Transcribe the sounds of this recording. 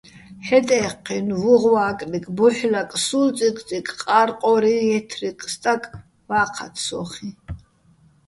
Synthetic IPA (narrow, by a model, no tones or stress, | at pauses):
ħɛt̪ʼɛqʰːinvuʁwaːkʼnikʼbuħlakʼsult͡sʼikʼt͡sʼikʼqʼaɾqʼɔɾiɛt̪ʰriqʼst̪ʼakʼ | vaːqʰa̰t̪ʰsɔ̰χi